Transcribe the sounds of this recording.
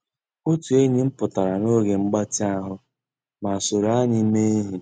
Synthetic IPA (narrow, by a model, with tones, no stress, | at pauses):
o˦tu˨e˦ɲi˦m̩˦pʊ˨ta˨ɾa˨no˦ɡe˨ŋ͡m̩˦ɡ͡ba˦tɪ˦a˦ɦʊ˦ | ma˨so˨ɾa˦ɲi˦me˦e˦ɦi˨